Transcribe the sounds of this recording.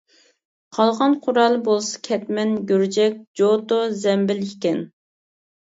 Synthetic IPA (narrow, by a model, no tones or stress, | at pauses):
qʰɑlˠʁɑnqʰʊɾɑlˠbolˠsɑ̥kʲʰɛt̪mɛnɡʲyɾd͡ʒɛk̚ʲd͡ʒot̪ozɛmbɪlikʲɛn